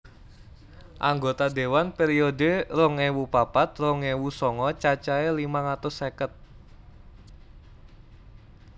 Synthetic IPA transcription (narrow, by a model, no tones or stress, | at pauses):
ʔaŋɡot̪ad̪e̤wanpeɾiodeɾʊŋewupapat̪̚rʊŋewusɔŋɔt͡ʃat͡ʃaelimaŋat̪ʊsːekət̪̚